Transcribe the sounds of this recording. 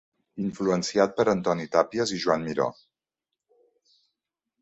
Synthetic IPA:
iɱfluənsiat̪̚pəɾənt̪ɔnit̪apiəziʒuwanmiɾɔ̰

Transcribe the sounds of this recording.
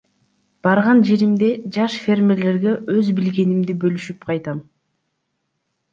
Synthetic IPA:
b̥ɑɾʁɑnd͡ʒe̞ɾimd̪e̞d͡ʒɑʃfʲe̞rmʲe̞ɾle̞ɾɡe̞ʔøzbilɡe̞nimd̪ibølyʃypqʰɑjt̪ɑm

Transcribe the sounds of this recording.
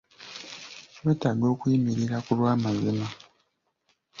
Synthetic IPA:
weːtaɡo̞ːkwimiɾiɾakulwaːmazima

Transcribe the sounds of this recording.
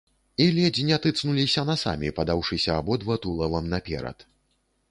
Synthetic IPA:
ilʲɛd͡zʲinʲat̪ɨt̪snulʲisʲɐnasa̰mʲipɐd̪awʂɨsʲɐːbɔd̪vɔt̪ulˠɐvɐmnɐpʲɛ̰ɾɐ̰t̪

